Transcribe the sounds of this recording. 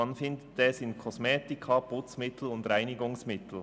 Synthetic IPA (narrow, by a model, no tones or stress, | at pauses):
ɑnfɪndətɛːsɪnkʰɔsmɛːtɪkʰapʊt͡smɪtʰl̩ʊndɾaɪnɪɡʊŋsmɪtl̩